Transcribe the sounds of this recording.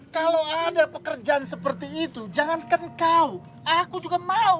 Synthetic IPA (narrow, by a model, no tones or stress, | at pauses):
kalawadapəkərd͡ʒaʔansəpərt̪iːt̪ud͡ʒaŋankəŋkau | ʔakud͡ʒuɡamau